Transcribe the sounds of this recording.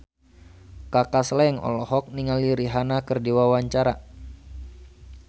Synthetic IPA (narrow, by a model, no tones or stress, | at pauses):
kakaslɛŋɔ̰lɔɦɔk̚niŋaliɾiɦanakərdiwawaɲt͡ʃaɾa̰